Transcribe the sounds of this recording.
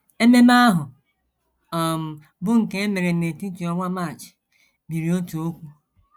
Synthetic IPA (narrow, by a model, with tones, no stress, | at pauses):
e˦me˦m˦a˦ɦʊ˨ | ɔ˨m̩˨ | bʊ˦ŋ̩˨ke˦e˦me˨ɾe˨ne˨ti˦ti˨ɔ˦ŋʷa˦ma˦˨t͡ʃɪ̥˨ | bi˨ɾi˨o˦tu˨o˦kʷu˦